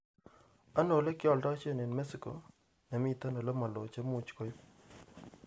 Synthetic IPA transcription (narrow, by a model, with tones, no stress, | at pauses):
a˦no˨le˦kjɔ˨lda˦t͡ʃe˦ne˨nmɛ˦sɪ˨ko˨ | nɛ˨mi˦ta˦no˨le˦ma˨lo˨t͡ʃe˦mu˨t͡ʃko˦jʊ˦p̚